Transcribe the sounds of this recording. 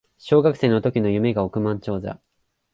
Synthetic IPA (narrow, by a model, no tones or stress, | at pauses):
ɕo̞ːɡakɯ̟seːno̞t̪o̞kʲino̞jɯ̟me̞ɡaokɯ̟mãɲ̟t͡ɕo̞ːza̰